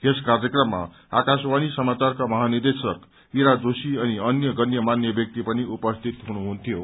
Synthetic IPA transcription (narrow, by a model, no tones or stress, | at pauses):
eskarjʌkrʌmːa̰ | akaswanisʌmat͡sarkamʌɦanird̪esʌk | iɾad͡zosiʌniʌnjʌɡʌnjʌmanjʌbjʌk̚t̪ipʌniupʌst̪ʰit̪ɦunuɦunt̪ʰijo